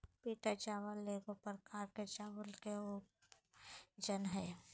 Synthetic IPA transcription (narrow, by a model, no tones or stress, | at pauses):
piːʈ̪at͡ʃaːʋəlːeːɡopəɾkaːɾket͡ʃaːʋəlkeo | d͡ʒənɦɛː